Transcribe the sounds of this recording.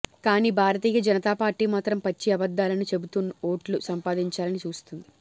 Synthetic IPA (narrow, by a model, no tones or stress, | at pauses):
kaːniːbʱaːɾɐt̪̬iːjɐd͡ʒɐnɐt̪aːpaːɾʈːiːmaːt̪ɾɐmpɐt͡ʃːiɐbɐd̪ːaːlɐnit͡ʃe̞but̪unːɐo̞ːʈlusɐmpaːd̪iɲt͡ʃaːlɐnit͡ʃuːst̪und̪i